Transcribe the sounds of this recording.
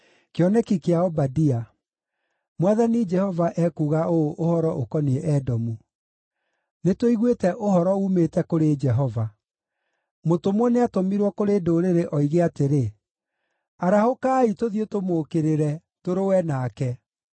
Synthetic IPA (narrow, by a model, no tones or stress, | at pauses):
keɔnɛkikeaɔbadia | mwaðanid͡ʒɛhɔvaʔɛkuɣaooʔohɔɾɔʔokɔniɛʔɛdɔmu | netoiɣwetɛʔoɦɔɾɔumetɛkoɾed͡ʒɛɦɔva | motomwɔneatomiɾwɔkoɾedoːɾeɾeʔɔiɣeateɾe | aɾahokaːitoðjotomoːkeɾeɾɛ | toɾowɛnaːkɛ